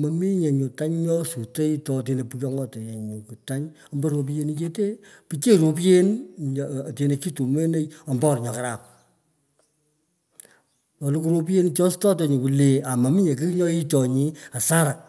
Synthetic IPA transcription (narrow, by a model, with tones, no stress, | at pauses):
ma˨mi˦ɲe˨ɲu˨ta˦ɲɲɔ˦su˨te˦jtɔ˨˧te˧ne˨pu˨jɔ˦ŋɔ˦te˨je˨ɲu˨ku˨ta˦ɲ | ɔ˨mbo˦ɾo˨˧p̬i˦je˧˦ni˦t͡ʃe˦te˦pi˨t͡ʃe˦ɾo˨p̬je˦n˨ | te˧ne˨˧ki˦tu˨mwe˦ne˦jɔ˨mbɔ˦ɾɲɔ˨ka˨ɾa˨p̚ | ɔ˨lu˦ku˦ɾo˦p̬e˦nt͡ʃɔ˦stɔ˦t̬e˨ɲi˨ku˨le˨a˨ma˨mi˦ɲe˨k̬i˦ɲɔ˦i˦tɔ˨ɲi˨˦a˨sa˦ɾa˨